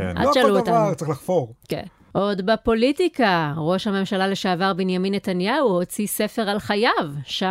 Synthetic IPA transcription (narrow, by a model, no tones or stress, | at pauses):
ʔa̰zʃaluot̪atexlaχfoʁkḛn | ʔo̞d̪bapo̞litikaʁo̞ʃhame̞mʃalaleʃeavaʁbenjaminːetanjauho̞t͡sise̞fe̞ʁalχajavʃa